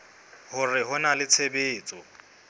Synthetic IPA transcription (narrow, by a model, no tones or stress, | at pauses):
hʊrɪɦʊnalɪt͡sʰebeːt͡sʼɔ